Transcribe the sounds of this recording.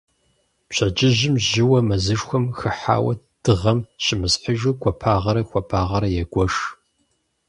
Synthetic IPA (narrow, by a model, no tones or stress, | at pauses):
pɕʰɐd͡ʒʼɪʒɪmʒɪwɐmɐzɨʂxʷɔmxɨħa̰ːwɐ̰ | d̥ɨʁɐmɕɪmɨsħəʒukʷʰɐpʰaːʁɐɾɐkʷɐpʰaːʁɐɾɐjɛɡʷɔʂ